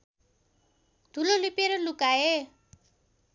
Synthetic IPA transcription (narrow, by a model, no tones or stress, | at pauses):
d̪ʱulolipeɾʌlukae